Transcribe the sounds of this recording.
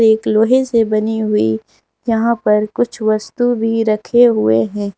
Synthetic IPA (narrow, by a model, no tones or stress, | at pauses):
ɾeːkloːɦesebɐniɦʊḭ | jɐɦãpɐɾkʊt͡ʃʰʋɐst̪ubʱiɾɐkʰeɦʊeɦɛ̃ː